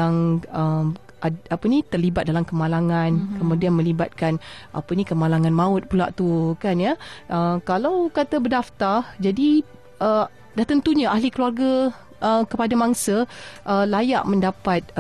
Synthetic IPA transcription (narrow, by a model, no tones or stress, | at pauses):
aŋəm | aapənit̪ərlibat̪̚dalamkəmalaŋãnkəmũdianmə̃libat̪̚kanʔa̰pənikəmalaŋãnmaʊt̪̚pula̰ʔt̪ukanjəʔəkalawkat̪əbədaft̪ard͡ʒadi | ʔə | daht̪ənt̪uɲaʔaɦlikəluarɡa | ʔəkəpadamaŋsəʔəlaja̰ʔməndapat̪̚